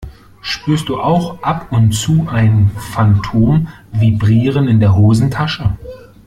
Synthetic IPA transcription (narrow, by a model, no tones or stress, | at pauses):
ʃpyːɐst̚d̥uːʔaʊxʔapʊntt͡suːʔaɪnfantʰoːm | vibʁiːʁ̞ənɪndeːɐɦoːzn̩tʰaʃə